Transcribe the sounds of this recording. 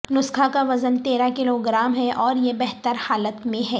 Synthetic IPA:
nʊskʰakaʋɐzənt̪eːɾakɪloɡɾaːmɦɛʔɔːɾjebɛɦt̪əɾhaːlət̪mẽɦɛː

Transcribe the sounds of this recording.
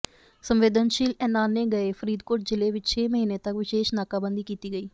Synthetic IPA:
səmʋeːd̪ənʃiːlɛːnaːnːeːɡəeːpʰəɾiːd̪koːʈ̚d͡ʒɪleːʋɪt͡ʃt͡ʃʰeːməɦiːneːt̪əkʋɪʃeːʃnaːkaːbənd̪iːkiːt̪iːɡəiː

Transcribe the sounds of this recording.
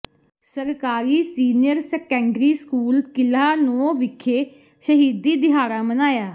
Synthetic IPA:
səɾkaːɾiːsiːnɪjəɾsəkɛ̃ːɳɖɾiːskuːlkɪlaːnõːʋɪkʰːeː | ʃəɦiːd̪iːd̪ɪɦaːɾaːmənaːjaː

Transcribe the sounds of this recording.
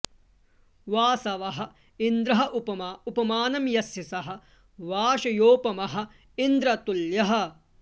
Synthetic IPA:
ʋaːsɐʋɐɦɐ̆ | ind̪ɾɐɦɐʔupɐmaupɐmaːnɐmjɐsjɐsɐɦɐ̆ | ʋaːʃɐjoːpɐmɐɦɐ̆ | ind̪ɾɐt̪uljɐɦɐ̆

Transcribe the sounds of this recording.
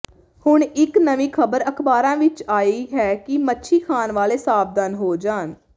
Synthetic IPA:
hʊɳɪknəʋĩːkʰəbəɾəkʰbaːɾãːʋɪt͡ʃaːiːɦɛːkɪmətːʃʰiːkʰaːnʋaːleːsaːbd̪ənɦoːd͡ʒaːn

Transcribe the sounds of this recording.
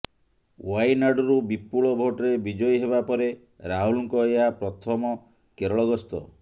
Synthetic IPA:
wajnaɖɔɾubipːuɭɔbʱoʈɾebid͡ʒɔjɦeβapɔɾe | ɾaɦulɔŋkɔeapɾɔt̪ʰɔmɔ | keɾɔɭɔɡɔst̪ɔ̰

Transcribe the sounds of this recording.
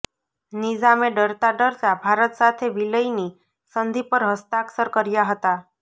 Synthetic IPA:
nid͡ʒameɖɔɾt̪aɖɔɾt̪abʱaɾɔt̪sat̪ʰebiləjni | sɔnd̪ʱipɔɾɦɔst̪aksɔɾkɔɾijaɦɔt̪a

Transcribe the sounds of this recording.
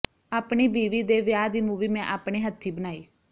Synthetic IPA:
aːpɳiːbiːʋiːd̪eːʋjaːd̪iːmuːʋiːmɛ̃ʔaːpɳeːɦət̪ʰːiːbənaːiː

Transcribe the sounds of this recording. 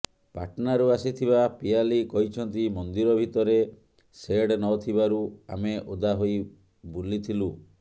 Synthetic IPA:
pa̰ʈnaɾuasit̪ʰiβapialikɔɦit͡ʃʰɔnt̪imɔnd̪iɾɔbʱit̪ɔɾe | seɽnɔt̪ʰiβaɾua̰meʔod̪aɦoj | bulit̪ʰilu

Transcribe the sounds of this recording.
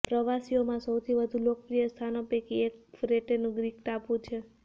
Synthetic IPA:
pɾəʋasiomãsəwt̪ʰiʋəd̪ʱulok̚pɾijəst̪ʰanopekiekfɾeʈenũɡɾikʈapũt͡ʃʰe

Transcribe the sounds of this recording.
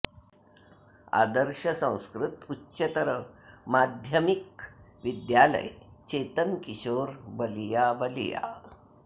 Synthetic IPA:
a̰d̪əɾɕəsə̃w̃skɾut̪utːɕət̪əɾəmad̪ʱjəmik̚ʋid̪jalə̰jt͡ɕet̪əmkiɕoːɾbəlijabəlija̰

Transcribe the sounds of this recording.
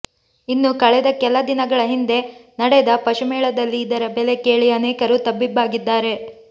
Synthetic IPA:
inːukɐɭɛd̪ɐkɛlɐd̪inɐɡɐɭɐɦind̪e̞nɐɽɛd̪ɐpɐʃumɛːɭɐd̪ɐlːiːd̪ɐɾɐbɛle̞keːɭiɐneːkɐɾut̪ɐbːibːaːɡid̪ːaːɾe̞

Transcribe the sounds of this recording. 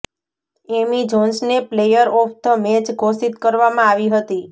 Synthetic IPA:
emid͡ʒɔnsneplejəɾɔft̪ʰəmet͡ʃɡʱosit̪kəɾʋamãaʋiɦət̪i

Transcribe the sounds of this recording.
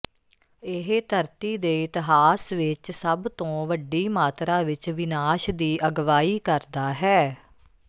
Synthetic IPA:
ɪɦt̪ʰəɾt̪iːd̪eːɪt̪ɪɦaːsʋɪt͡ʃsəbt̪õːʋəɖiːmaːt̪ɾaːʋɪt͡ʃʋɪnaːʃd̪iːʔəɡʋaːiːkəɾd̪aːɦɛː

